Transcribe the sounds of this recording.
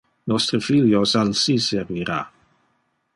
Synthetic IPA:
nɔst̪ɾəfiljosalsisɛɾviɾa̰

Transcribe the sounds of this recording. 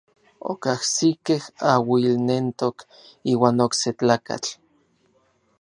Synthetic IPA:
o̰kahsikehawilnent̪ok | iːwaːnokset͡ɬaːka̰t͡ɬ

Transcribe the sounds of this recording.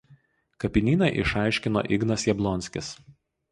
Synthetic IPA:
kɐpʲɪnʲiːnɐʔɪ̰ʃɑˑɪʃʲkʲɪno̰ːʔɪɡnɐsjɛblˠɔnʲsʲkʲɪs

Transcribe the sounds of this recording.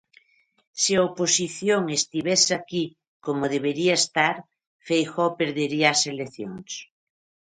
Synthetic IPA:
siaoposiθjoŋest̪iβesaki | komoðeβeɾiaest̪aɾ | fejxɔpeɾðeɾiaːseleθjoŋs

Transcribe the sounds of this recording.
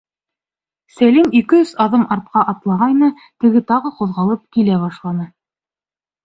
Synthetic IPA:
sælimikɘsɑðɤmʔɑɾt̪̚qɑʔɑt̪lˠɑʁɑjnɤ | t̪ɘ̆ɡɘt̪ɑʁɤquðʁɑlˠɤp̚kilæβɑʃlˠɑnɤ

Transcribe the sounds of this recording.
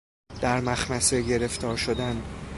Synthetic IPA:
d̪̥æɾmæxmæse̞ɟe̞ɾe̞ft̪ʰɒːɾʃo̞d̪æn

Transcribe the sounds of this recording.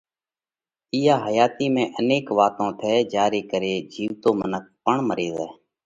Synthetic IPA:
iːjaːɦəjaːt̪iːmẽːʔəneːkʋaːt̪õːt̪ʰɛːd͡ʒaːɾiːkəɾeːd͡ʒiːʋt̪õːmənək̚pəɳməɾeːzɛː

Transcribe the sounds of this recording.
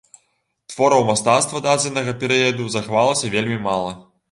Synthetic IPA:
t̪vɔɾɐwmast̪at̪st̪vɐd̪ad͡zʲɛnɐɣɐpʲɛɾɨjɐd̪uzɐxvalˠɐsʲɐvʲelʲmʲimalˠɐ

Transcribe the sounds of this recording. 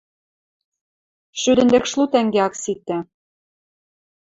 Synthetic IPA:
ʃyd̪ɘ̆nd̪ɘ̆kʃlut̪æŋɡeɑksit̪ːæ

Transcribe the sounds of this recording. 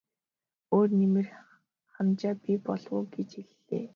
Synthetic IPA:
oːrnimɘ̆r | χamt͡ɕaːpipɔɮwʊːɡet͡ɕeɮːḛː

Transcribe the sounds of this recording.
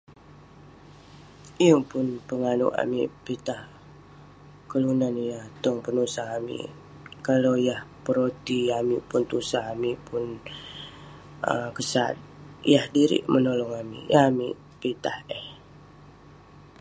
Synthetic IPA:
ijəpʊnpəŋanṵʔa̰mḭʔpit̪ah | kəlunanjaht̪ɔŋpənusaɦamḭʔ | kalojahpəɾot̪iamiʔpʊnt̪usaɦamipʊn | ə̰kəsa̰t̪̚ijahdiɾḭʔmənolɔŋamḭʔjamḭʔ | pit̪aheh

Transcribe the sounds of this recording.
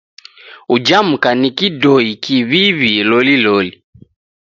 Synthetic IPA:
ud͡ʒam̩kanikidɔikiβiβilɔlilɔli

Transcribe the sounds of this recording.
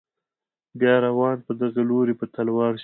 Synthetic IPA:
bjɑɾawɑnpəd̪aɣaloɾepət̪alwɑɾʃ

